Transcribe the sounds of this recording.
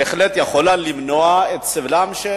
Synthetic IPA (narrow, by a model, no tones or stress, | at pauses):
eχlet̪jaχolalimnoaet̪sevlamʃe